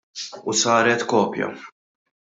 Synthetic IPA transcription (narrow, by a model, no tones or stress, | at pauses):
usɐːɾɛt̪kɔːpjɐ̰